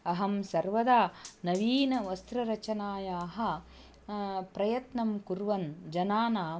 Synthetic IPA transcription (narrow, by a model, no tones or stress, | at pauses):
ɐɦɐmsɐɾʋɐd̪aːnɐʋiːnɐʋɐst̪ɾɐɾɐt͡ʃɐnaːjaːɦɐ̆ | pɾɐjɐt̪nɐmkuɾʋɐnd͡ʒɐnaːnaː